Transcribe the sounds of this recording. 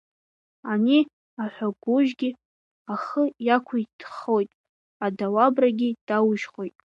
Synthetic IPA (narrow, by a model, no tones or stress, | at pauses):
ani | aħʷᶣaɡʷʊʒɡʲi | aχəjakʷʰʊitʰχo̞jtʼ | adawabraɡʲid̥awʒχʷo̞jtʼ